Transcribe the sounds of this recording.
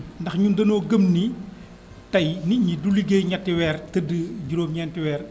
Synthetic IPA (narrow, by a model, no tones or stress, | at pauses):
ndɐxɲundɐnɔːɡɐmni | tɐjniɲidulːiɡeːjɲɐtːiwɛːrtɐdəɟuɾoːmɲɛntiwɛːr